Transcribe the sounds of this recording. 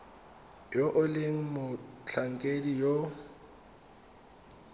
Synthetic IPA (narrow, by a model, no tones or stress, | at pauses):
joʔʊleŋ̩mʊt͡ɬʰaŋ̩kʼedijo